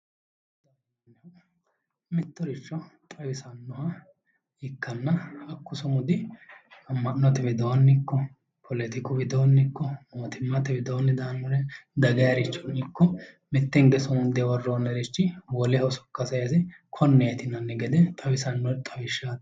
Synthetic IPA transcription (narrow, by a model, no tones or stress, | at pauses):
d̪ɐ | nːɛ | mɪt̪ːɔɾɪt͡ʃːɔt̪ʼɐwɪsɐnːɔhɐ | ɪkːɐnːɐɐkːʊsɔmʊd̪ɪ | ɐmːɐnːɔt̪ɛbɪd̪ɔwɐnːɪkːɔ | pʰɔlɛt̪ɪkʼʊbɪd̪oːnːɪkːɔmoːt̪ɪmːɐt̪ɪbɪd̪oːnːɪd̪ɐːnːʊɾɛd̪ɐɡɐjɐɾɪt͡ʃːɔnɪkːɔ | mɪt̪ːɛŋɡɛsʊʊnd̪ɛwɔrːoːnɛɾɪt͡ʃːɪwɔlɛhɔsɔ̥kːɐsɐjɐsɛkʰɔnːɛjɛt̪ɪnɐnːɪɡɛd̪ɛt̪ʼɐwɪsɐnːɔt̪ʼɐwɪʃːa